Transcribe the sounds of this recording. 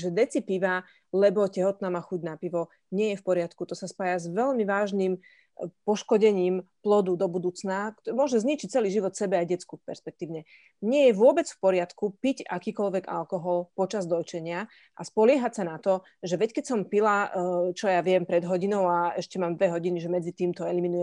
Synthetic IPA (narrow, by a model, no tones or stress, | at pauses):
ʒɛd̪ɛt͡sipiʋa | lɛbɔcɛɦɔt̪naːmaːxuɟnapiʋɔ | ɲɪɛjɛfpɔɾɪat̪kut̪ɔsaspaːjazʋɛʎmiʋaːʒnim | pɔʃkɔɟɛɲiːmplɔd̪ud̪ɔbud̪uːt͡snak̪mʊɔʒɛzɲit͡ʃic̚t͡sɛliːʒiʋɔt̪sɛbɛajɟɛt͡skupɛ̰ɾspɛk̚t̪iːʊɲɛ | ɲɪɛjɛʋʊɔbɛt͡sfpɔɾɪat̪kupica̰kiːkɔlʋɛɡa̰lkɔɦɔlpɔt͡ʃazd̪ɔjt͡ʃɛɲɪa | ʔaspɔlɪɛɦacsanat̪ɔ | ʒɛʋɛckɛcsɔmpilat͡ʃɔjaʋɪɛmpɾɛd̪ɦɔɟinɔʊaɛʃcɛmaːmd̪ʋɛɦɔɟiniʒɛmɛd͡zit̪iːmt̪ɔɛliminujɛm